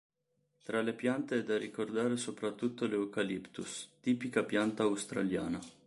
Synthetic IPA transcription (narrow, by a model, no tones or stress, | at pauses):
t̪ɾalepjant̪eɛd̪ːarikord̪aːɾesopɾat̪ːut̪ːoleukalipt̪ust̪iːpikapjant̪aːwst̪ɾa̰lja̰ːna